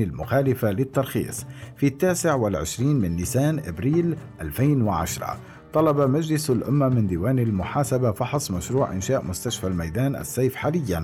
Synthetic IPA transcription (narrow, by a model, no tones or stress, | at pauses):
ɪlmʊxaːlɪfalɪt̪ːɑɾˤxḭːsˤfit̪ːaːsɪʕwɪlʕɪʃɾiːnmɪnːɪsaːnʔɪbɾiːlʔalfaːnwɪʕa̰ʃɾˤɑ̰ | t̪ˤɑlɑbamad͡ʒlɪsalʔʊ̰mːamɪnd̪iːwaːnalmʊħaːsabafɑħsˤmaʃɾuːʕʔɪ̰nʃaːʔmʊst̪aʃfalmajd̪aːnʔa̰sːajfħaːlɪjːan